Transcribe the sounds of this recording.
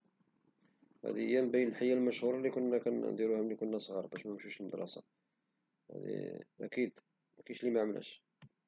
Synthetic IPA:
hæ̰d̪ijːæmbæjəlħajːælməʃhuɾˤɑlikʊnːækænnd̪iɾuhæmlːikʊnːæsˤɣiɾˤbæʃmæəmʃuʃəlməd̪ɾˤɑ̰sɑ̰ | hæ̰d̪ḭʔæ̰kid̪ | kiʃlimæʕməlæ̰ʃ

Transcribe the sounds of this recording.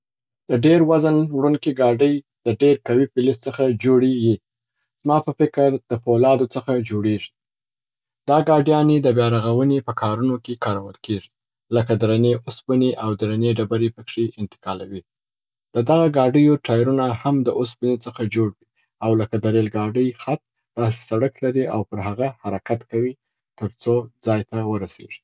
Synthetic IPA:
d̪̥əɖeɾwazənwɽuŋkiɡɑɖəj | d̪̥əɖeɾkawipɪlɪst͡səxad͡ʒoɽeɡi | z̥mɑpəfɪkəɾd̪̥əpolɑd̪ot͡səxad͡ʒoɽeʐi̥ | d̪̥ɑɡɑɖjɑned̪əbjɑɾaɣawənepəkʰɑɾunokekɑɾawəlkeʐi | ləkad̪ɾaneʔʊspəneʔawd̪ɾaneɖabaɾepəkʂeʔɪnt̪ɪ̥kɑlawi | d̪̥əd̪aɣaɡɑɖəjoʈʰɑjɾunahamd̪əʔʊspənet͡səxad͡ʒoɽwi | awləkad̪aɾelɡɑɖəjxat̪̚ | d̪̥ɑs̬e̥saɽəklaɾiʔawpəɾɦaɣahaɾakat̪kawi | t̪əɾt͡sod͡zɑjt̪awəɾasḛʐi̥

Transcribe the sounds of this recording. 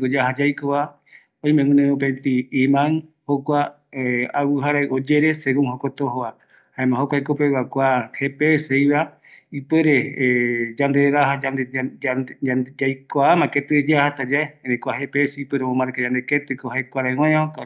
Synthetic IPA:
ɡod͡ʒaɦad͡ʒajkoβa | oj̃mẽŋũnẽõpent̪iːmãŋ | hokʷa | awuɦaɾaiʔod͡ʒeɾeseɡũŋhokot̪oɦoa | haẽmãhokʷajkopewakʷahepesejβa | ipeɾe | d͡ʒand̪eɾaɦad͡ʒand̪e | d͡ʒajkoamãket̪ɨd͡ʒahat̪ad͡ʒaeẽnẽkʷahepeseipeɾeõmãɾkad͡ʒãnd̪eket̪ɨkohaekʷaɾaew̃ãɲãoka

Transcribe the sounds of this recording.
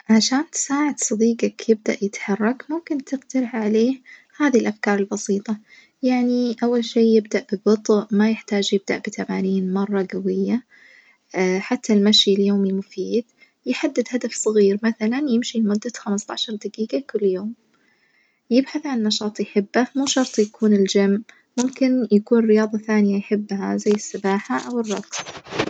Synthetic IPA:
ʕaʃaːnt̪ɪ̥saːʕɪd̪̥sˤɑd̪iːɡakjɪb̚d̪a̰ʔjɪt̪ħɑrˤːɑkmʊmkɪnt̪ɪɡt̪aɾɪħʕaleːhhaːðilʔafkɑːɾˤɪlbɑsiːt̪ˤɑ | jaʕniʔawːalʃeːjɪbd̪aʔbɪbɨt̪ˤʔmajɪħt̪aːd͡ʒjɪb̚d̪a̰ʔb̥ɪt̪ʰamaːniːnmɑrˤːɑɡawɪjːa | ħat̪ʰːalmaʃiljoːmimʊfiːd̪̥̚ | jɪħad̪ːɪd̪had̪afsˤɨɣiːɾmaθalanjɪmʃimʊd̪ːaxamɪst̪ɑ̰ʕʃɑɾˤd̪ɪɡiːɡakʊlːjoːm | jɪbħaθʕannːɑʃɑːt̪ˤjħɪbːamuːʃɑɾˤt̪ˤjakuːnɪld͡ʒam | mʊmkɪnjakuːnrːɪjɑːðˤɑθaːnɪjajħɪbːhazajːɪsːɪbaːħaʔawɨrˤːɑɡs

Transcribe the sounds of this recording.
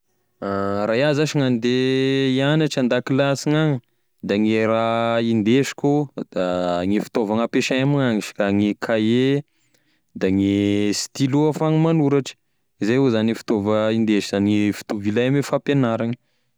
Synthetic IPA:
arajazaʃiŋand̪eianaʈ͡ʂand̪akilasiŋaŋ | d̪aŋeɾaind̪eʃi̥kʲod̪̥aŋefi̥t̪ovaŋapeʃaamaŋaŋiʃi̥kaŋekʰaje | d̪aŋest̪iluafaŋimanuɾaʈ͡ʂə̥ | izajuzanifi̥t̪ovəind̪eʃizaniefi̥t̪ovilaamefapenaɾaŋə̥

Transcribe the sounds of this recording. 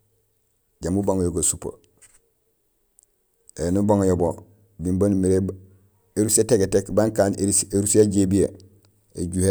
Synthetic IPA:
ɟamubaŋjoɡosupa̰ | enubaŋjobo | bimbanmiɾe | eɾuseteɡetekbaŋkaːneeɾuseɟebije | eɟuhe

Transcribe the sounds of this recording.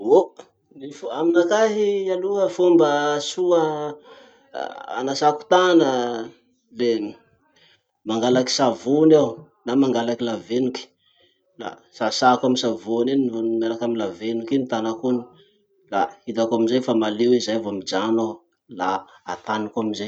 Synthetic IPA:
o | nifaminakaɦialuɦəfombəsuə | a̰nasaku̥t̪anə | le | maŋɡalaki̥savunaw | namaŋɡalakilavenuki̥ | la̰ | sasakamisavuninvnmeɾakaminlavenukinit̪anakuni̥ | laid̪akaminzajfamalewizajavoamid͡ʒano | la | at̪anikaminzaj

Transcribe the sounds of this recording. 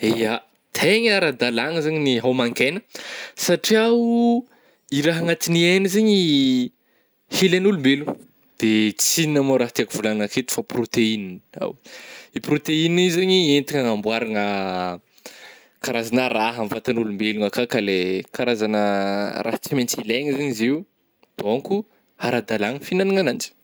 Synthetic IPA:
eja | t̪ʰeɲaɾəd̪alaŋəzaɲiniɦomaŋkenə̥saʈ͡ʂiaw | iɾaɦaŋat̪inienizeɲi | helanulumbelu | d̪̥et͡sininamoɾaɦat̪iakuvulanaket̪u̥faprot̪einina̰wipɾot̪einiizaɲient̪iŋaŋambwaɾaŋə | kaɾazanaɾaɦamvat̪anulumbeluŋakakalekaɾazanəra̰hat͡siment͡sileŋəzaɲiziw | d̪̥oŋku | haɾad̪alaŋəfinaniŋanand͡ʒi̥

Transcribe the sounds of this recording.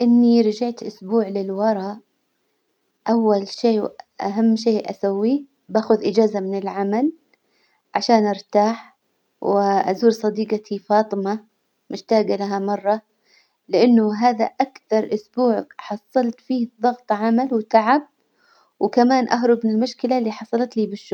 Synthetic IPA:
ʔɪnːiɾɑd͡ʒaʕt̪ʔʊsbuːʕlɪlwɑɾˤɑːʔ | ʔawːalʃeːʔa̰ɦamːʃeːʔa̰sawːi | baːxʊðʔɪd͡ʒaːzamɪnɪlʕamal | ʕaʃaːnʔɑɾt̪aːħ | wɪʔazuːɾsˤɑd̪iːɡat̪ʰifɑːt̪ˤɨma | mʊʃt̪aːɡalaɦamɑrˤːɑ | lɪʔanːʊɦaːðaʔakθɑɾˤʔʊsbuːʕħɑsˤːɑlt̪fiːðˤɑɣt̪ˤʕamalwt̪aʕab̚ | wkamaːnʔaɦɾˤʊbmɪnɪlmʊʃkɪlaʔlːiːħɑsˤɑlɑt̪liːbɪʃːʊ

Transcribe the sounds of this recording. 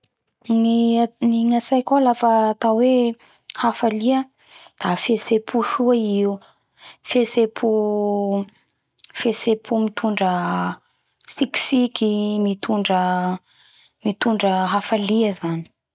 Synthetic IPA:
niniŋasajkalafəːt̪awe | hafaliə | d̪̥afesepʰuʃuaiu | fesepʰu | fesepʰumit̪ʰuɳɖ͡ʐə | siksikʲimit̪ʰuɳɖ͡ʐə | mit̪uɳɖ͡ʐəɦafaliəzani̥

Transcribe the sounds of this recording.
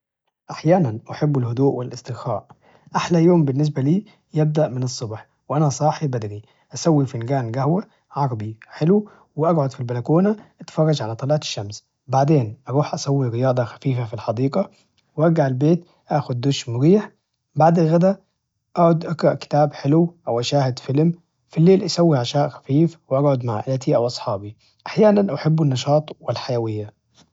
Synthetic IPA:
ʔaħjaːnanʔaħɪbːɪlhʊd̪uːʔwɪlʔɪst̪ɪɣxa̰ːʔ | ʔaħlæjoːmbɪnːɪs̬bæliː | jɪb̚d̪aʔmɪnɨsˤːʊbħ | wʔænæsˤɑːħibæd̪ɾi | ʔæsæwːifɪnɡaːnɡæhwa | ʕɑɾˤɑbiħɪlu | wɪʔɑɡʕʊd̪filbælækoːnaʔat̪fɑrˤːɑd͡ʒʕalæt̪ˤɑliːʕɑt̪ɪ̥ʃːams | baʕd̪eːnʔɑɾˤuːħʔæsæwːiɾɪjɑːd̪ˤɑxæ̥fiːfafilħɑd̪iːqɑ | wʔɑɾɡaʕelbeːt̪ | ʔæːxʊd̪̚ːoʃmʊɾiːħ | baʕd̪alɣæd̪æ | ʔaʕʊd̪ʔɑɡɾˤɑʔkɪ̥t̪aːbħɪlwʔæwʔæʃaːhɪd̪fɪlm | filːeːlʔasæwːiʕaʃaːʔxæ̥fiːfwɪʔɑɡʕʊd̪maʕʔalːt̪ʰiʔæwʔɑsˤħɑːbi | ʔaħjaːnænʔaħɪbːɪnːɑʃɑːt̪ˤwɪlħajæwɪjːa

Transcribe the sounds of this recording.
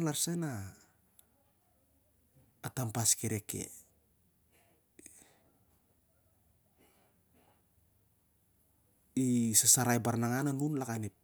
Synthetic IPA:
nlaɾsena | tampaskeɾe̞ke̞̰ | isasaɾajbaɾnaŋananunlakanip̚

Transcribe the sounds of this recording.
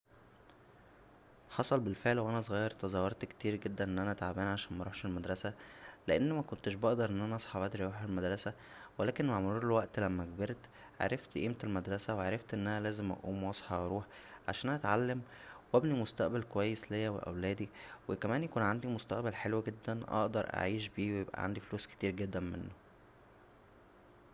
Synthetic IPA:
ħɑsˤɑlbelfeʕlwʔænæsˤɣɑjːɑɾˤt̪ɑzˤɑwːɑɾˤt̪kt̪iːɾɡed̪ːænʔenːʔænæʔæt̪ʕabæːnʕaʃæːnmæɾˤuħʃelmæd̪ɾˤɑsæleʔenːmækont̪eʃbɑʔd̪ɑɾˤʔenːʔænæʔɑsˤħɑbʔæd̪ɾʔɑɾuːħelmæd̪ɾˤɑsæ | welæːkenmaʕmoɾuːɾelwæʔt̪læmːæɡbeɾt̪ | ʕa̰ɾˤɑft̪ʔiːmt̪elmæd̪ɾˤɑsæweʕaɾˤeft̪ʔenːʔænælæːzemʔɑ̰ʔuːmwɑsˤħɑʔɑɾˤuːħ | ʕa̰ʃæːnhæt̪ʕalːæm | wæbnimost̪æʔbælkowæjːeslejːæwḛʔæ̰wlæːd̪iwekæmæːnjækuːnʕand̪imost̪æʔbælħelwæɡed̪ːænʔɑ̰ʔd̪ɑɾˤʔa̰ʕiːʃbiːwejebʔæ̰ʕa̰nd̪ifluːske̥t̪iːɾɡed̪ːænmḛnːo

